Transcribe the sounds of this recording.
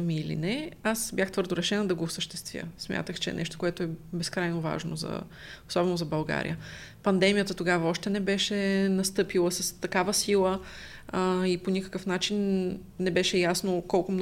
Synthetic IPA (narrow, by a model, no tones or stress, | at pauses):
miːlḭnɛasbʲjaxt̪vɤɾd̪ʊɾɛʃɛnəd̪ɐɡoːsəʃt̪ɛst̪vʲjə̰smʲjʔa̰t̪əxt͡ʃɛ̰nɛ̰ʃt̪o̥koɛt̪oɛbɛskɾajnova̰ʒno̰zɐ̰ | osɔbɛnozɐbɐlˠɡa̰ɾʲḭjə | pɐnd̪ɛmijət̪ət̪oɡavəɔʃt̪ɛnɛbɛʃɛnɐst̪ɤpilˠəsɐst̪ɐkavəsilˠə | iponʲikə̥kəfnat͡ʃinː | ɛbɛʃɛjasnokɔlˠkomn